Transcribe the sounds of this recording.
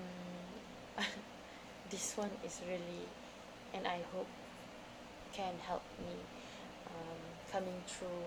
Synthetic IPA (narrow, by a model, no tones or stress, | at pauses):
d̪iswãnisɹili | ʔɛ̃najhop̚ | kʰɛ̃nhɛlp̚mi | ʌ̃m | kʰamɪ̃ŋt̪ʰɹu